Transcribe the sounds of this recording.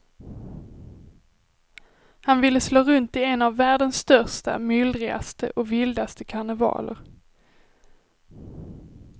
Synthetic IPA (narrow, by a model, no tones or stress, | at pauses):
hanvɪlːəsloːɾɵnt̪ɪɛnavːæːɖənsːt̪œʂʈa̰mʏld̪ɾɪɡa̰st̪əʔɔkvɪld̪ast̪əkʰaɳəvɑ̰ːlə̰ɾ